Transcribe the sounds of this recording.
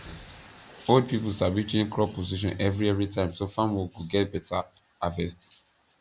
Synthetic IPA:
fodpipusabit͡ʃẽŋkʰɹɔpoziʃ̬ɔ̰̃nʔɛvɹiɛvɹitãɪ̃msofãmwɔkuɡɛt̚bɛtʰa | avɛst

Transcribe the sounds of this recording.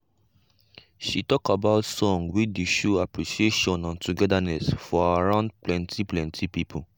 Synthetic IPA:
ʃitɔkabaʊtsɔ̃ŋɡwideʃoapɹisieʃɔ̃nãntuɡɛdanɛsfɔaaɹãʊ̃nd̚plɛ̃ntʰiplɛ̃ntʰipipʰu

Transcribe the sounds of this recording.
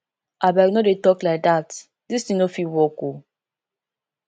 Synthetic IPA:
ʔabaɾinodetɔklaɪk̚dat | distĩŋnofiwɔko

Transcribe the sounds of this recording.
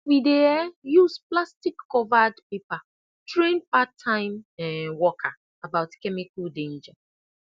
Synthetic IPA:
wideɛjusplastikːɔvadpepa | tɹẽnpatʰːãɪ̃mɛwɔkʰa | abaʊtkɛmikaldẽnd͡ʒa

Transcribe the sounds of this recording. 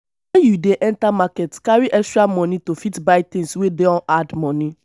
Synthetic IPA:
wɛnjudeʔɛntamakɛtkaɹiʔɛstɹamɔnitofitbaɪt̪ɪ̃ŋswedeɔ̃ʔadmɔni

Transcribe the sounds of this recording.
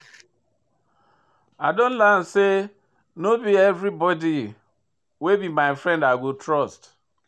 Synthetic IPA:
aɪdõn̩lan̩se | nobiɛvɾibɔdi | webimaɪfɾɛ̃ndaɡotɾɔst

